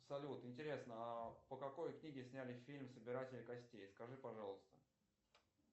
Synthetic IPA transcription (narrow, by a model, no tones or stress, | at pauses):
psɐlʲut̪ɪnʲtʲɪɾʲe̞snəapəkɐko̞jknʲiɡʲɪsʲnʲælʲɪfʲilʲmsəbʲɪɾatʲɪlʲɪkɐsʲtʲejskɐʐɨpɐʐɑlˠəst̪ə̥